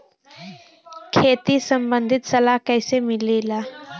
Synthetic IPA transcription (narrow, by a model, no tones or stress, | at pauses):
kʰeːt̪isɐ̃mbə̃nd̪ʱɪt̪sɐlaɦkɛːsemɪlelaː